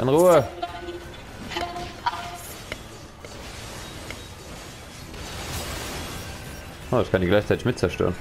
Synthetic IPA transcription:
ʔɪ̰nʁuːə | ʔoːdaskʰandiːɡlaɪçt͡saɪtɪçmɪt̚t͡sɛɐʃtø̰ːʁən

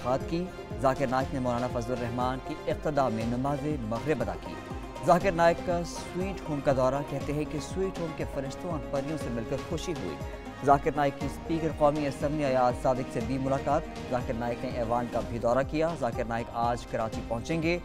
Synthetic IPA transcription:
qaːt̪ki | zaːkɪɾnaːɪknemɔːlaːnafɐzləɾɛɦmaːnkiɪq̚t̪ɪd̪amẽnɐmaːzemɐɣɾebɐd̪a̰kḭ | zaːkɪɾnaːɪkːas | wiːʈɦoːmkad̪ɔːɾakɛɦt̪eɦɛ̃keswiːʈɦoːmkefɐɾɪʃt̪õɔːɾpɐɾijõsemɪlkɐɾxʊʃiɦṵḭː | zaːkɪɾnaːjɪkːispiːkəɾqɔːmiɐsə̃mbliaːjaːt̪saːd̪ɪksebʱimʊlaːqaːt̪ | zaːkɪɾnaːɪkneʔɛːʋaːnkabʱid̪ɔːɾakijazaːkɪɾnaːɪkaːd͡ʒkɐɾaːt͡ʃipɐ̃ɦʊ̃t͡ʃẽːŋɡeː

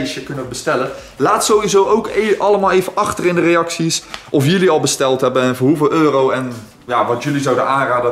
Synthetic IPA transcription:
jsjəkɵnəʋbəstɛlə | laːtsowʋizowʔowkʔɑlˠəmaːlˠejvənʔɑχtərɪndərejɑksisʔɔfjɵliɑlˠbəstɛlˠtɦɛbənɛnvʊːɹɦuvɪːlˠøːrowɛn | jaːʋɑtjɵlizɑwdənaːnraːdə

